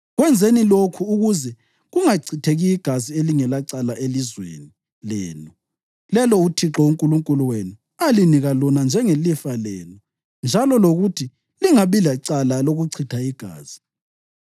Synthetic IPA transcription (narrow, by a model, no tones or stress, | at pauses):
ɣwɛnd͡zʱenilokʰuːɣuzɛ | ɣuŋaǀʰitʰeɣiiɡ̥ʱazieliŋɛlaǀalaʔelizwḛni | lɛːnu | lɛlɔutʰiǁɔuŋkʼuluŋkʼuluwenu | aliniɣalɔnand͡ʒʱɛŋelifalɛ̰ːnu | nd͡ʒʱalɔloɣutʰi | liŋaβilaǀalaloɣuǀʰitʰaiɡ̥ʱa̰ːz̥i̥